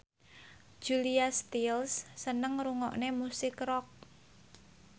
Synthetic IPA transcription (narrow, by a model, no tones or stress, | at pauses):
d͡ʒ̥uliast̪ilsːənəŋruŋɔ̰ʔnemusɪkrɔk̚